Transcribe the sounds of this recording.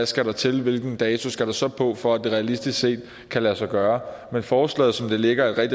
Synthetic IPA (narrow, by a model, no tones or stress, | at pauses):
æsɡ̥æɾ̥ɑ̈t͡sʰe̝lʋe̝lɡ̥n̩d̥ɛːt͡sʰo̝sɡ̥æɾ̥ɑsɒ̽pʰɒ̽fɒ̽æd̥e̝ʁɛælisd̥isɡ̥se̝̰ːd̥̚ | kʰælæsɑɡ̥ɶːɐmenfɒːslɛ̰ːð̩ˠsɒ̽md̥e̝le̝ɡ̥ɐe̝d̥ʁɛɡ̥d̥